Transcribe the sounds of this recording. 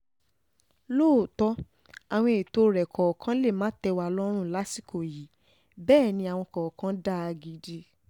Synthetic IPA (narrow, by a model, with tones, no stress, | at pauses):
loː˦˨tɔ˧˦ | a˨w̃ɔ̃˧e˨to˧˦ɾɛ˨kʰɔ˨kã˦le˦˨mãː˦tɛ˧wa˧˨lɔ˦ɾ̃ũ˦˨la˦si˦kʰo˨ji˨˦ | bɛː˦˨nĩ˧a˨w̃ɔ̃˧kɔ˨kã˦da˦˨a˧ɡi˨˦di˧